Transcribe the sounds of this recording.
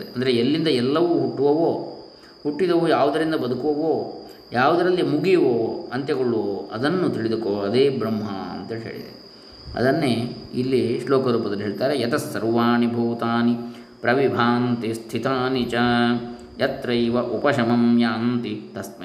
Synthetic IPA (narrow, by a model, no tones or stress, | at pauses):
ɾeɐnd̪ɐɾeelːind̪ɐɛlːɐʋuɦuʈːuʋɐʋoː | huʈːid̪ɐʋujaːʋud̪ɐɾind̪ɐbɐd̪ukuʋɐʋoː | jaːʋud̪ɐɾɐlːimuɡijɐʋoːɐnt̪jɐɡɐɭuɐd̪ɐnːut̪iɭid̪ukoːɐd̪eːbɾɐmːɐ̰ɐ̰nt̪ɐːlɦḛːɭḭd̪ḛe | ɐ̰d̪ɐnːeːilːiʂlɔːkɐɾuːpɐd̪ɐluɦeɭt̪aːɾejɐt̪ɐsːɐɾʋaːnibʱoːt̪aːni | pɾɐʋibʱaːnt̪ist̪ʰit̪aːnit͡ʃɐ | jɐt̪ɾɐjʋɐʔupɐʃɐmɐmjaːnt̪it̪ɐst̪mɐ